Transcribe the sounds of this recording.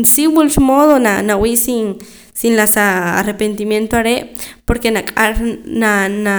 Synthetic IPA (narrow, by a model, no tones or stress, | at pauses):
nsiβulʃmoðonanawiʔsin | sinlasaa̰repent̪imjent̪oaɾepoɾkenakʼaɾnana